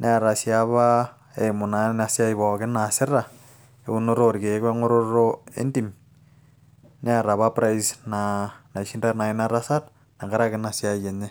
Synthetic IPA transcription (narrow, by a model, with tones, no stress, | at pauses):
nʔe˦a˨ɾa˨sjaβa˦ | e˨mʊ˨na˨nasja˦iβɔ˨kɪ˦nasɪ˦ra˨ | euno˦ɾoɾke˨˦kɛ˦ŋo˦ɾoɾoḛ˦ndim | ne˦a˨ɾa˨βapɾa˦isnana˨iʃi˦ndana˨ɪnaɾasa˦t | na˨ɡa˦ɾakɪnasja˦je˨ɲe˦